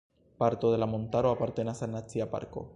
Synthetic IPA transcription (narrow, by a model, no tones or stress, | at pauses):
paɾt̪oðelamont̪aɾoapaɾt̪enasanːat͡siapa̰ɾko̰